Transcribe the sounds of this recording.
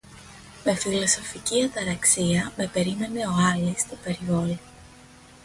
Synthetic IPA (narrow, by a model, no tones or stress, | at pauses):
me̞filo̞so̞ficiɐt̪ɐɾɐksiɐme̞pe̞ɾime̞ne̞o̞ɐlist̪ope̞ɾivo̞li